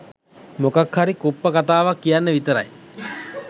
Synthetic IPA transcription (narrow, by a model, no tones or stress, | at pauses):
mokakhaɾikupːəkat̪aːʋakːijanːəʋit̪əɾa̰j